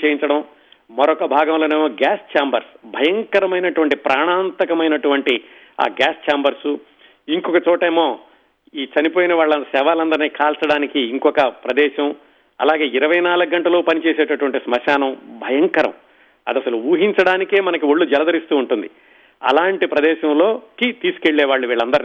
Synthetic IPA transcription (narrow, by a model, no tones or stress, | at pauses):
t͡ʃeːjint͡ʃɐɽɐm | mɐɾɔkɐbʱaːɡɐmlo̞ːneːmoːɡaːst͡ʃaːmbɐɾsbʱɐjɐŋkɐɾɐmɐjnɐʈuʋɐɳʈipɾʔaːɳaːnt̪ɐkɐmɐjnɐʈuʋɐɳʈi | a̰ːɡaːst͡ʃaːmbɐɾsu | iŋkɔkɐt͡ʃɔːʈeːmoː | iːt͡ʃɐnipoːjinɐʋaːɭːɐsɛːʋaːlɐnd̪ɐɾniːkaːlsɐɽaːnikiːŋkɔkɐpɾɐd̪ɛːʃɐm | ɐ̰laːɡe̞ːiɾɐʋɐjnaːluɡ̚ɡɐɳʈɐloːpɐnit͡ʃeːseːʈɐʈuʋɐɳʈismɐʃaːnɐmbʱɐjɐŋkɐɾɐ̰m | ɐ̰d̪ɐsɐluuːɦiɲt͡ʃɐɽaːnike̞ːmɐnɐkiʋoɭːud͡ʒɛlɐd̪ɐɾist̪uːuɳʈund̪i | ɐ̰laːɳʈipɾɐd̪ɛːʃɐmlo̞ːkit̪iːsu̥ke̞ɭːɛːʋaːɭːuʋiːɭːɐnd̪ɐɾn